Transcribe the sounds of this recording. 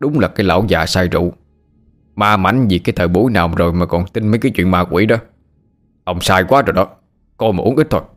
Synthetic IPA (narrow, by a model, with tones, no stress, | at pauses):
ɗʊ˨˦ŋ͡mlaː˨˩kaː˨˦jla̰ː˧˨˩wzaː˨˩saː˧jzṵ˧˨ | maː˧ma̰˧˥˦jŋvi˨˩kaː˨˦jt̪ʰəː˨˩jɓu˧˦jnaː˨˩wmzo˨˩jmaː˨˩kɔ˨˩nt̪ï˧nməː˨˦jkaː˨˦jt͡ɕwḭ˧˨ənmaː˧kwḭ˧˦ɗɔ˨˦ | ʔə˧wŋ͡msaː˧jkwaː˨˦zo˨˩jɗɔ˨˦ | kɔ˧jmaː˨˩ʔu˨˦əʔi˦˥t̚t̪ʰo˧j